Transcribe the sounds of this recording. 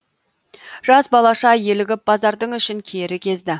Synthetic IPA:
ʒ̥ɑsbɑlˠɑʃɑje̞lɪɡʲɪp̚bɑzɑɾd̪əɴʏʃɪŋkʲʰe̞ɾɪkʲʰe̞zd̪ɪ

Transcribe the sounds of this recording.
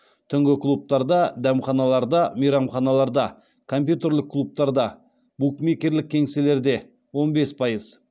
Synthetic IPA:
t̪ʰʏŋɡʲɪklˠup̚t̪ɑɾd̪ɑd̪æmχɑnɑlˠɑɾd̪ɑmijɾɑmχɑnɑlˠɑɾd̪ɑ | kʰo̞mpʲjut̪e̞ɾlɪkʰːlˠup̚t̪ɑɾd̪ɑ | b̥ukmikʲe̞ɾlɪk̚ʲʰːe̞ŋse̞le̞ɾd̪e̞ | wo̞nbe̞spʰɑjəz̥

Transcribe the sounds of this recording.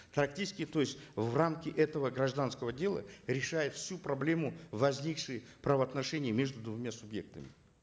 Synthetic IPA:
p̪ɾɐk̚tʲit͡ʃɪ̥sʲkʲɪt̪o̞jɪsʲtʲvramkʲɪʔɛt̪əvəɡɾɐʐd̪anskəvədʲe̞lˠə̰ɾʲɪʂajɪt̪fsʲupɾɐblʲe̞mʊvɐzʲnʲikʂɨjəpɾəvəɐt̪nɐʂɛnʲɪjəmʲe̞ʐd̪ʊd̪vʊmʲasʊbje̞̰k̚t̪əmʲɪ

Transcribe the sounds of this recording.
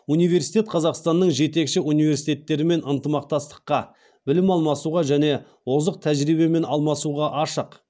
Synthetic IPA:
unijve̞ɾsijt̪ʲe̞t̪̚qʰɑzɑqst̪ɑnːəɴʒe̞t̪e̞kʃɪunijve̞ɾsijt̪et̪ːe̞ɾɪme̞nənt̪əmɑq̚t̪ɑst̪ə̥qːɑ | bɪlɪmɑlˠmɑsuʁɑʒæne̞ | wo̞zəq̚t̪ʰæʒɾibe̞me̞nɑlˠmɑsuʁɑʔɑʃəq

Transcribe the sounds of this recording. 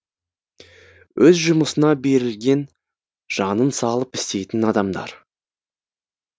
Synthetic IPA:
wʔɵzʒʊməsənɑbe̞ɾɪlɡʲe̞n | ʒ̥ɑnənsɑlˠəpɪ̥st̪e̞jt̪ɪnɑd̪ɑmd̪ɑ̰ɾ

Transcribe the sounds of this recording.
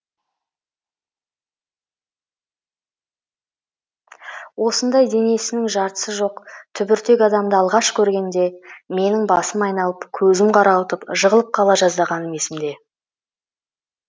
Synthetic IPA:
wo̞sənd̪ɑjd̪e̞ne̞sɪnɪŋʒɑɾt̪ə̥səʒo̞qt̪ʰʏbɪɾt̪e̞ɡʲɑd̪ɑmd̪əɑlˠʁɑʃkʲʰɵɾɡʲe̞nd̪e̞me̞nɪŋbɑsəmɑjnɑlˠəpkʲʰɵzɪmqʰɑɾɑwət̪əpʒəʁəlˠəp̚qʰɑlˠɑʒɑzd̪ɑʁɑnəme̞sɪmd̪e̞

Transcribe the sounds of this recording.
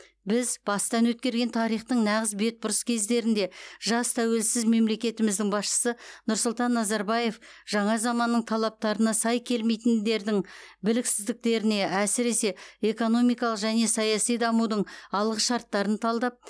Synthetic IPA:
bɪzb̥ɑst̪ɑnwɵt̪̚kʲe̞ɾɡʲe̞nt̪ʰɑɾijχt̪əɴnɑʁəzbe̞t̪̚bʊɾəskʲʰe̞zd̪e̞ɾɪnd̪e̞ʒɑst̪ʰæwe̞lsɪzme̞mle̞kʲe̞t̪ɪmɪzd̪ɪŋbɑsʃə̥sənʊɾsʊlˠt̪ɑnːɑzɑɾbɑje̞fʒ̥ɑɴɑzɑmɑnːəɴt̪ʰɑlˠɑp̚t̪ɑɾənɑsɑjkʲʰe̞lme̞jt̪ɪnd̪e̞ɾd̪ɪŋbɪlɪksɪzd̪ɪk̚t̪e̞ɾɪne̞æsɪɾe̞se̞e̞ko̞no̞mijkɑlˠəqʒæne̞sɑjɑsijd̪ɑmud̪əɴɑlˠʁəʃɑɾt̪ːɑɾənt̪ʰɑlˠd̪ɑp̚

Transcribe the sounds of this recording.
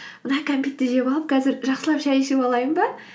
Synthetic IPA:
mənɑkʰompʲit̪ːeʒʲebɑlˠəp̚kʰɑzɪɾʒɑqsəlˠɑpʃæjeʃepɑlˠɑjəmbɑ

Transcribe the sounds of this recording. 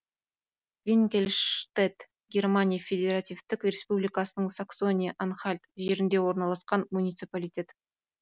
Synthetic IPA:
vʲiŋkʲelʲʃt̪et̪ | ɡʲe̞rmanʲijafʲe̞d̪ʲe̞ɾat̪ʲivt̪ɪkrʲe̞spublijkasənəɴsakso̞nʲijaʔanχalʲt̪ʒe̞ɾɪnd̪e̞wo̞ɾnɑlˠɑsqɑnmunʲijt̪sɨpalʲijtʲe̞t̪

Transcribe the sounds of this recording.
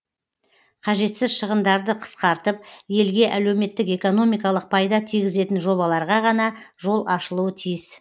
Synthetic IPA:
qʰɑʒe̞t̪sɪzʃəʁənd̪ɑɾd̪əqʰə̥sqɑɾt̪əp̚je̞lɡʲe̞ʔæle̞wme̞t̪ːɪke̞ko̞no̞mijkɑlˠəq̚pʰɑjd̪ɑt̪ʰijɡʲɪze̞t̪ɪnʒo̞βɑlˠɑɾʁɑʁɑnɑ | ʒo̞lˠɑʃəlˠuwət̪ʰijɪs

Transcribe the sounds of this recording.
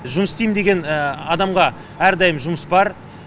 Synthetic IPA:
ʒʊməsst̪ejmd̪e̞ɡʲe̞nɑd̪ɑmʁɑ | æɾd̪ɑjəmʒʊməsbɑɾ

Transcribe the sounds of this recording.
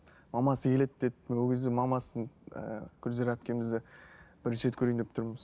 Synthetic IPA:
mɑmɑsəkʰʲe̞le̞t̪̚d̪et̪wɵɡʲʰezd̪ɪmɑmɑsənə̰kʲʰʏɾzeɾæp̚kʲe̞mɪzd̪ɪb̥ɪɾnʃet̪kʲʰɵɾenept̪ʰʊɾməs

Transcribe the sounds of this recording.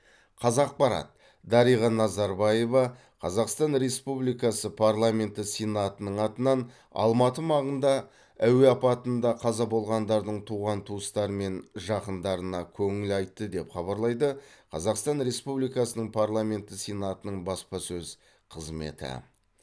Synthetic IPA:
qʰɑzɑq̚pɑɾɑ̰t̪̚ | d̪ɑɾijʁɑnɑzɑɾbɑje̞vɑ | qʰɑzɑqst̪ɑnɾe̞spublijkɑsəpʰaɾlˠamʲe̞nt̪əsʲenat̪ənəɴɑt̪ənɑn | ɑ̰lˠmɑt̪əmɑʁənd̪ɑ | æwe̞ɑpɑt̪ənd̪ɑqʰɑzɑbo̞lˠʁɑnd̪ɑɾd̪əɴt̪ʰuʁɑnt̪ʰuəst̪ɑɾəme̞nʒɑqənd̪ɑɾənɑkʲʰɵŋɪlɑjt̪ːəd̪e̞pχɑβɑɾlˠɑjd̪əqʰɑzɑqst̪ɑnɾe̞spublijkɑsənəɴpʰarlˠamʲe̞nt̪əsʲenat̪ənəɴbɑspɑsɵz | qʰəzme̞̰t̪ɪ̰

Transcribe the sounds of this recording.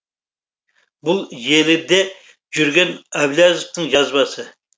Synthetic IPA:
bulˠjelɪd̪ɛ | d͡ʒyɾɡʲɛnæblʲɑzɨfnɨŋʒɑzbɑsɨ

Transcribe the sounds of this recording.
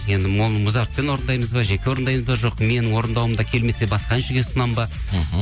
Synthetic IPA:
je̞nd̪ɪmonəmʊzɑɾt̪̚pe̞nwo̞ɾənd̪ɑjməzbɑʒe̞kʲewo̞ɾənd̪ɑjməzbɑʒo̞qme̞nɪŋwo̞ɾənd̪ɑwəmd̪ɑkʲʰe̞lme̞se̞bɑsqɑɪnʃɪɡʲe̞sənɑmbɑ

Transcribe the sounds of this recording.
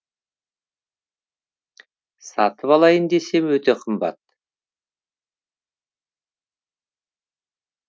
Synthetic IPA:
sɑt̪əpɑlˠɑjənd̪e̞se̞mwɵt̪e̞qʰəmbɑ̰t̪̚

